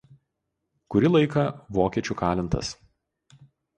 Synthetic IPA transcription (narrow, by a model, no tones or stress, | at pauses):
kʊɾʲɪlˠɐɪkɐʋoːkʲiɛt͡ʃʲuˑkɑːlʲɪnt̪ɐ̰s